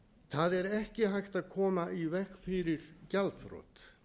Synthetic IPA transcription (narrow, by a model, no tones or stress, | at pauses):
θaðɛɾɛhcɪɦajht̪aðkʰɔːmaʔivɛxfɪɾɪɾ̥calt̪fɾɔ̰ːt̪